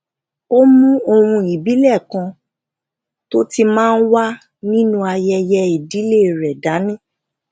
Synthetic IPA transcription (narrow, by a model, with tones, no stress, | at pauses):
o˦mũ˦o˧wũ˧i˨bi˨˦lɛ˦˨kã˧ | to˦ti˧mãː˦˧n̩˦wa˦ | nĩ˦nũ˦a˧jɛ˧jɛ˧i˨di˨˦le˦˨ɾɛ˨da˨˦nĩ˦